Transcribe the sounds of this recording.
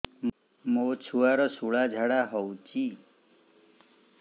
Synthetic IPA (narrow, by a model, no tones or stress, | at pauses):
mot͡ʃʰuaɾɔsuɭad͡ʒʱaɽaɦɔwt͡ʃi